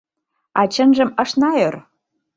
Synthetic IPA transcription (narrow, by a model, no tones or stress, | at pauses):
ɑt͡ɕə̆nʒə̆mɤ̆ʃnɑør